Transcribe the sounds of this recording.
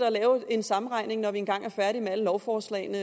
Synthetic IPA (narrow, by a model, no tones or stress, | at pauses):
dælɛːʊe̝nsɑ̈m̩ʁɑ̈ɪ̰ne̝ŋnɒʋienɡ̥ɑ̈ŋ̰ʔæɐfæɐɾimeæləlɒʊfɒːslɛ̰ɪnə